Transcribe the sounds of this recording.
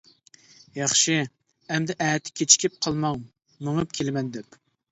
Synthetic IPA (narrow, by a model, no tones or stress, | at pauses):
jɑχʃɪ | ɛmd̪ɪʔɛːt̪ʰːɪ̥kʲʰet͡ʃʰi̥kʲʰɪp̚qʰɑlˠmɑŋ | mɨŋɨp̚kʲʰelmɛnd̪ɛp